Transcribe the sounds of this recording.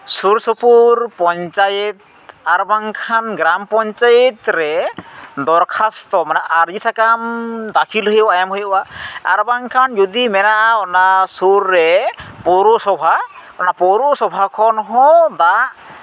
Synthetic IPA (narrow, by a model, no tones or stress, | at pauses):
suɾsɔpuɾpɔnt͡ʃajɛt̪̚ | aɾbaŋkʰanɡɾampɔnt͡ʃajɔt̪ɾɛ | d̪ɔɾkʰast̪ɔmanɛʔaɾd͡ʒisʰakamd̪akʰilɦɔjwajamɦɔjɔʔaa̰ɾbaŋkʰand͡ʒud̪imɛnaɔnasuɾːɛpɔɾusɔbʱa | ɔnapɔɾusɔbʱakʰɔnɦɔd̪aʔ